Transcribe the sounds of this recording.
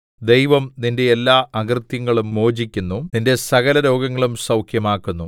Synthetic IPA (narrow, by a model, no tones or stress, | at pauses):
d̪ejʋɐmninde̞ːlːaːɐɡrt̪jɐŋːɐɭummo̞ːd͡ʑikʲːunːuninde̞sɐɣɐlɐɾo̞ːɡɐŋːɐɭumsɐwkʰjɐmaːkːunːu